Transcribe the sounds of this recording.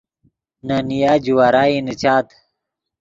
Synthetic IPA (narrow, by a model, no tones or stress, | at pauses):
nanijaːd͡ʑuwaɾaːinit͡ɕaːt̪